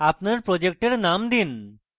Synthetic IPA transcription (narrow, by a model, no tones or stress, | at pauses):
apnəɾpɾɔd͡ʑek̚ʈeɽnamd̪in